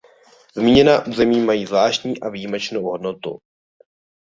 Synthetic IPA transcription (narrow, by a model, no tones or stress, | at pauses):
zmiːɲɛnaːʔuːzɛmiːmajiːzvlaːʃcɲiːʔavijimɛt͡ʃnowɦo̞dnot̪ṵ